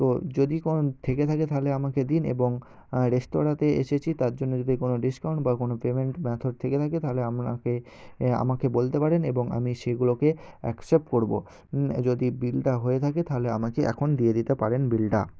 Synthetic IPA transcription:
t̪od͡ʑod̪ikot̪ʰeket̪ʰaket̪ʰaɦoleamaked̪inḛboŋ | ɾesʈoɾat̪eḛʃet͡ɕʰit̪aɾd͡ʑonːod͡ʑod̪ikonoɖiskaw̃ɳʈbakonopemeɳʈmɛt̪ʰoɖ̚t̪ʰeket̪ʰaket̪aɦoleamake | a̰makebolt̪epaɾeneboŋa̰miʃeɡulokeɛksep̚ʈkoɾbo̰ | d͡ʑod̪ibilʈaɦoet̪ʰaket̪aɦoleamakeʔɛ̰kʰond̪ied̪it̪epaɾenbilʈa̰

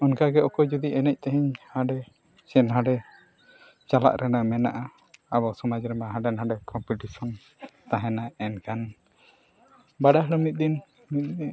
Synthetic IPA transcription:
ɔnkaɡɛʔɔkɔd͡ʒud̪iʔɛnɛc̚t̪ɛɦɛɲhaɖɛ | sɛnɦaɖɛ | t͡ʃala̰ʔɾʔɛnamɛnaʔa | abɔsɔmad͡ʒɾɛmaɦaɖɛnɦaɖɛkɔmpiʈisɔn | t̪aɦɛnaɛnkan | baɖaɦɽɔmit̪̚ˀd̪in | mit̪̚ɛ

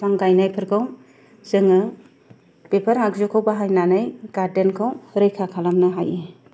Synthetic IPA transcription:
paŋɡajnajpʰɯɾkʰaw | zɯŋɯ | pepʰaɾakzɔkʰawbaɦajnanɯjɡ̥aɾdenkʰawɾɯjkʰakʰalamnɯɦa̰je

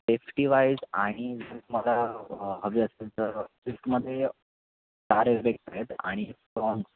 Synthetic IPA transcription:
sefʈiʋajd͡za̰ɽ̃id͡zisʈməlaɦəʋiəsãnt͡səd͡zisʈməd̪ʱːje | ʈaɾebek̚saɦet̪a̰ɽ̃isʈɾɔŋɡs

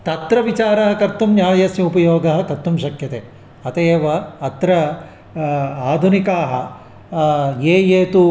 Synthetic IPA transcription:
t̪ɐt̪ɾɐʋit͡ʃaːɾɐɦɐ̆kɐɾt̪umnjaːjɐsjiupɐjoːɡɐɦɐkɐɾt̪ːumʃɐkʰjɐt̪eː | ɐt̪eːʋɐːt̪ɾɐ | aːd̪ʱunikaːɦɐ̰ | jeːjeːt̪u

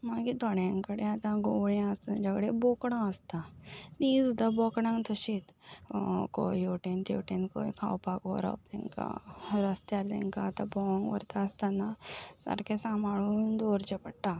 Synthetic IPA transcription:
maɡit̪ɔɽjãŋkəɽẽat̪ãɡoɭãəst̪ənd͡ʒəɡɽebokɽ̃ãəst̪aniːsud̪abɔkɽãŋt̪əɕit̪ | ko̰ioʈent̪ḛʈenko̰ikʰa̰wpako̰ɾɔ̰p̚t̪ḛŋka̰ɾəst̪jaɾt̪ḛ̃ŋkaːt̪abɔŋɡʋə̰ɾt̪aəst̪anasə̰ɾkʰesamaɭuːnd̪oːɾt͡ʃepəɽʈːa

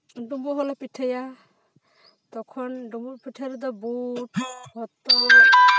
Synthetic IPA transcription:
ɖumbɔɦɔlapiʈʰaja | t̪ɔkʰɔnɖumbɔpiʈʰaɾɔd̪ɔbuʈhɔt̪ːɔbɔɾɔ

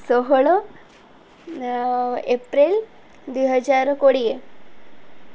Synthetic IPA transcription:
soɦɭo | epɾil | d̪wiɦəd͡zaɾkoɽie

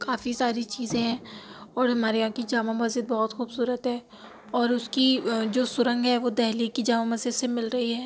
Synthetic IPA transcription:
kaːfisaːɾit͡ʃiːzẽɦɛ̃ːɔːɾɦɐmaːɾejãkid͡ʒaːmamɐzd͡ʒəd̪̚bɔɦɔt̪xuːbsuːɾət̪ɦɛː | ɔːɾʊskid͡ʒoːsʊɾə̃ŋɡɦɛʋod̪ɛɦlikːid͡ʒaːmamɐzɪd̪semɪlɾɐɦiɦɛː

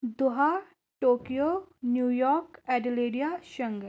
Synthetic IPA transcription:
d̪ʊɦa | ʈoːkijonjuːjɔːɾkɛːɖɪleːɖijaʃɐ̃ŋɡə

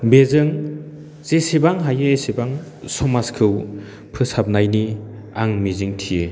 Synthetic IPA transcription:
bezɯŋ | zesibaŋɦajɯesibaŋ | sɔmaskʰɯw | pʰɯsap̚najni | aŋmiziŋtʰije

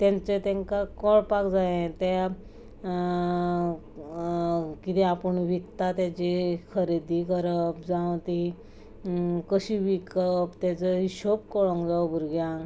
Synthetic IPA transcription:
t̪jãnt͡set̪ẽŋkakɔɭpakd͡zaẽt̪a | kit̪iapəɳʋikt̪at̪jat͡ɕikʰəɾid̪ikəɾəpd͡zãwt̪i | kəɕiʋikəpt̪jat͡səiɕopkɔɭɔ̃ŋkd͡zawbʱuɾɡjãŋ

